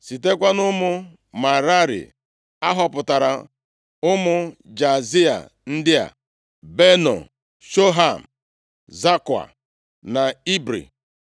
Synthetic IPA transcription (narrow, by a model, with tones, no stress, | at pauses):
si˨te˦kʷa˦nʊ˦mʊ˦ | ma˨ɾa˦ɾḭ˨ | a˦ɦɔ˦pʊ˨ta˨ɾa˨ | ʊ˦mʊ˦d͡ʒa˨zi˦a̰˨ | n̩˦dɪ˦a̰˨ | be˦nɔ̰˨ | ʃo˦ɦa˦˨m̩˨ | za˦ka̰˨ | na˨i˦bɾḭ˨